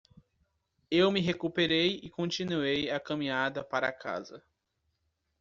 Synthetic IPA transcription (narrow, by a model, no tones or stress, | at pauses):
ewmɪɦekupeɾejɪkõt͡ʃĩnuejakɐ̃mĩad̪ɐpaɾɐːkʰa̰zɐ